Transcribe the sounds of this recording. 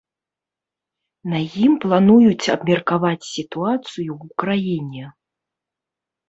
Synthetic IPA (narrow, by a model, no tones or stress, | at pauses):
najimplˠanujut͡sʲɐbmʲɛrkavat͡sʲsʲit̪uat̪sɨjuwukɾajinʲɛ